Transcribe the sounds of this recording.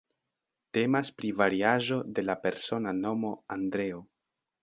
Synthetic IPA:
te̞maspɾivaɾiaʒo̞de̞lape̞ɾso̞nano̞mo̞andɾe̞o

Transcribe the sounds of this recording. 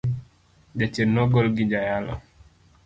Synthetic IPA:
dɛt͡ʃenɔɡɔlɡid͡ʒajalɔ̰

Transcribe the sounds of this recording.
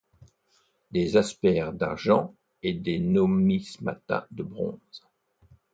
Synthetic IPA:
d̪ezaspɛʁd̪aʁʒɑ̃ | ed̪enomisma̰t̪ɛ̰̃d̪əbʁɔ̰̃ːz̥

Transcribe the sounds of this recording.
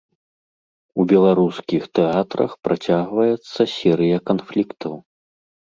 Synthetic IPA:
ubʲɛlˠaɾuskʲixt̪ɛat̪ɾɐ̰xpɾat͡sʲaɣvɐjɛt̪sːɐsʲɛɾɨjɐkanflʲikt̪ʰɐw

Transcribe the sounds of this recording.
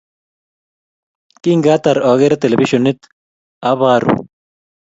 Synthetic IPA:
kiŋɡaːt̪ɐɾoːɣeɾɐt̪elbiɕunːit̪ | ɐβaːɾṵ

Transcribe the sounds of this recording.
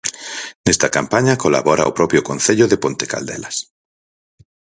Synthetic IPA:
nest̪akampaɲakola̰βoɾaopɾɔpɾjokõn̟θeʎoðepont̪eka̰ld̪ḛlas

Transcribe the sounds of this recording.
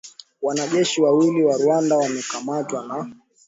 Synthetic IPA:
wanaʄɛʃiwawiliwaɾuandawamɛkamatwana

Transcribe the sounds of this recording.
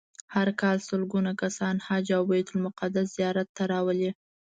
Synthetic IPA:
haɾkɑlsəlɡunakasɑnhɑd͡ʒawbajt̪ʊlmʊqad̪as̬z̥ijɑɾat̪ːaɾɑwəle

